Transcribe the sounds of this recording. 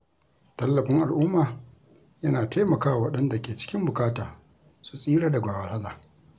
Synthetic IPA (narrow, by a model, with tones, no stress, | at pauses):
tɐ˦lːɐ˨ɸɪ˦ŋʔa˨lʔʊ˦maː˨ | jɐ˦naː˨tʰaː˦mɐ˨kaː˦wwɐ˦ɗɐ˦nda˨kʲeː˨t͡ʃɪ̥˦kʲɪ˦mbʊ˨kʼaː˦taː˨ | su̥˦sʼiː˦ɽaː˦da˨ɡʷaː˨wɐ˨lha˦laː˨